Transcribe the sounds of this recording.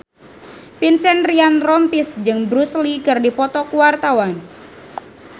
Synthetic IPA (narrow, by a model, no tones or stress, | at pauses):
pinsɛnrianrɔmpisd͡ʒɨŋbɾuslikɨrdipɔt̪ɔkuwart̪awan